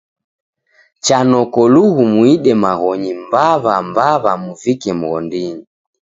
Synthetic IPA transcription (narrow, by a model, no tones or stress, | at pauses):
t͡ʃanɔkɔluɣumwiɗɛmaɣɔɲimbaβambaβamuvikɛm̩ɣɔ̰ndiɲi